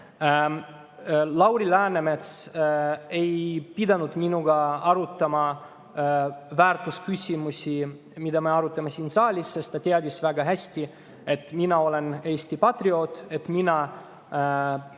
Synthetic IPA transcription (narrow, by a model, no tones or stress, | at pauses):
lɑwɾilæːneme̞t̪s | e̞jpid̪ɑnud̪̥minuɡ̥ɑɑɾut̪ːˑɑmɑ | væːɾt̪ˑuskysʲimusʲi | mid̪ɑmeɑɾut̪ːˑɑmesiːnsɑːlʲisːe̞st̪t̪ɑt̪eɑd̪ʲisvæɡ̥ɑɦæsʲt̪i | e̞t̪ːˑminɑo̞le̞ne̞ːsʲt̪ipɑt̪rio̞t̪ˑe̞t̪minɑ